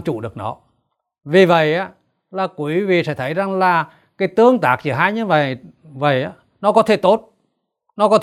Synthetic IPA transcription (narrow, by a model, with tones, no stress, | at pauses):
t͡ɕṵ˧˨ɗɨ˨˩ək̚nɔ˨˦ | vi˨˩və̰˧˨jʔaː˨˦ | laː˨˩kwi˨˦vḭ˧˨sɛ̰˧˥t̪ʰə˨˦jza˨˩ŋlaː˨˩ | kaː˨˦jt̪ɨ˧əŋt̪aː˨˩k̚t͡ɕi˧˩ɦaː˧jɲɨ˧və̰˧˨j | və̰˧˨jʔaː˨˦ | nɔ˨˦kɔ˨˦t̪ʰe˧˩t̪o˦˥t̚ | nɔ˨˦kɔ˨˦t̪